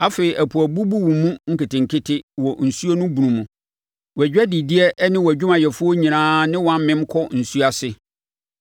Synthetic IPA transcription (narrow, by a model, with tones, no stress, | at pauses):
a˦fe˨i˨ʔæ˨pʰu˨æ˨bu˦bu˦wũ˨mũ˦ŋ̩˦kɪ˨tɪ̃˨ŋ̩˨kʰɪ˦tʰɪ˦wɔ˨n̩˨su˦o˦nũ˦bu˨nũ˨mũ˨ | wɔ˨ɛ˨d͡ʑᶣɛ˦di˨di˦ɛ˦ʔnɪ̃˦wæ˨d͡ʑᶣu˦mã˨jɛ˨fʊ˦ɔ˦ɲĩ˨nãː˦nɪ̃˦wɔ̃˨˦ã˦m˦mɪ̃˦m˦kʰɔ˦n̩˨su˦a˨sɪ˨